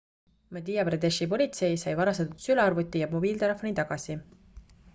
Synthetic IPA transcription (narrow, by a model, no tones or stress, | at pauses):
mɑd̪ijɑpred̪eʃipo̞lʲit̪se̞jsɑjvɑɾɑst̪ɑt̪ut̪sylɑɑrvut̪ːˑijɑmo̞biːlt̪e̞le̞fːonit̪ɑɡ̥ɑsi